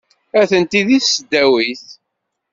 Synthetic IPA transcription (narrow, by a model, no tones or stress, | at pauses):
æθənt̪iðiθsəd̪ːæwiθ